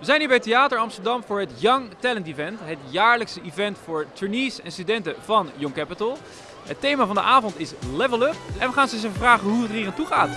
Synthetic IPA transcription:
ʋəzɛjniːbɛjətejaːtəɹɑmstəɹdɑmvʊːɹɦətjɑŋtɛləntivɛntɦətjaːɹləksəʔivɛntfʊːɹtyɹniːsɛnstydɛntəvɑnjɔŋkɛpətəlˠ | ɦətejmaːvɑndəʔaːvɔntɪslɛvəlˠəpʔɛnʋəχaːnsɪs̬əfəvraːχəɦuətəɹiːrantuχaːt

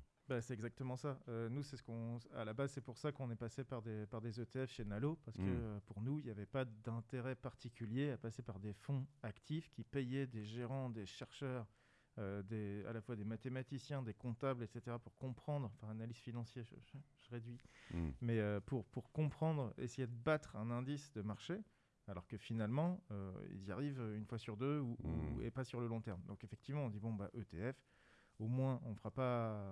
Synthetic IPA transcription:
basɛt̪ɛɡzak̚t̪əmɑ̃saønusɛsə̥kɔ̃a̰labazsɛpuʁsakɔ̃nɛpasepaʁd̪epaʁd̪ezøt̪eɛfʃenalopaʁsə̥kəøpuʁnuiljavɛpad̪ɛ̃t̪eʁɛpaʁt̪ikʲyljeapasepaʁd̪efɔ̃akt̪ʰifkʲipɛjɛd̪eʒeʁɑ̃d̪eʃɛʁʃœːʁ | ød̪ea̰lafwad̪emat̪emat̪isjɛ̃d̪ekɔ̃t̪ablet̪set̪eʁapuʁkɔ̃pχɑ̃d̪ʁɑ̃fɛ̃analiz̥finɑ̃sjeʒə̰ʒʒ̥əʁed̪ɥimɛøpuʁpuʁkɔ̃pχɑ̃d̪ʁḛsejed̪əbat̪χɛ̃nɛ̃d̪isd̪əmaʁʃe | alɔʁkəfinalmɑ̃ø̰ḭlzaʁivøynfwasyʁd̪øuṵḛpasyʁləlɔ̃t̪ɛʁmd̪ɔ̃kefɛkt̪ivmɑ̃ɔ̃d̪ibɔ̃ba̰ʔøt̪eɛf | omwɛ̃ɔ̃fʁapa

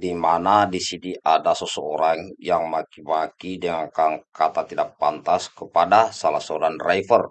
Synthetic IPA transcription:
dimanadisiniʔadasəsəoɾaŋjaŋmakimakidəŋaŋkaŋkat̪at̪idaʔ̚pant̪askəpadasalasoɾanraifər

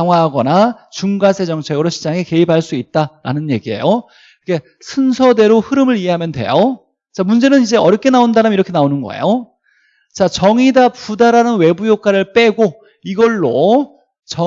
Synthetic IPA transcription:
aŋɦwaɦaɡʌna | t͡ɕuŋɡasʰe̞d͡ʑʌŋt͡ɕʰe̞ɡɯɾoɕʰid͡ʑaŋeke̞ipʰaɭs͈uit̚t͈aɾa̰nɯnje̞ɡie̞̰jo | kʰe̞ | sʰɯnsʰʌde̞ɾohɯɾɯmɯɾiɦe̞ɦamjʌndwe̞̰jo | t͡ɕamund͡ʑe̞nɯnid͡ʑe̞ʌɾjʌkʰe̞naondaɾɯmiɾʌkʰe̞naonɯnɡʌ̰ḛjo | t͡ɕat͡ɕʌŋidapudaɾanɯnwe̞bujokʰaɾɯɭp͈e̞ɡo | iɡʌɭːo | t͡ɕʌ

